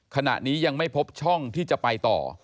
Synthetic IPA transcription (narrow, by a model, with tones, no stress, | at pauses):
kʰa˧na̰˨˩ʔniː˦˥ja˧ŋma˥˩jpʰo˦˥p̚t͡ɕʰɔ˥˩ŋt̪ʰiː˥˩t͡ɕa˨˩ʔpa˧jt̪ɔ̰ː˨˩